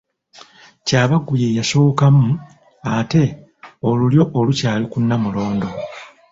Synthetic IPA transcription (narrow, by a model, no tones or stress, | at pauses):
caːβaɡːuje̞jaso̞ːkamu | ate̞ | o̞luljo̞ʔːlucaːlikunːamulo̞ːndo̞